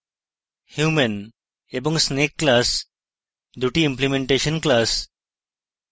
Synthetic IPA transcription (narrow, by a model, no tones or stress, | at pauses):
hjumən | ebə̃ŋɡsnekːlas | d̪uʈiimplimeɳʈeɕənklas